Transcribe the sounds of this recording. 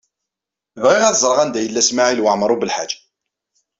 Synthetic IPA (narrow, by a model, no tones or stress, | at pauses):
ðiʁæθzˤɾˤʁænd̪æjəlːæsmaʕilwaʕmɾˤubəlħad͡ʒḁ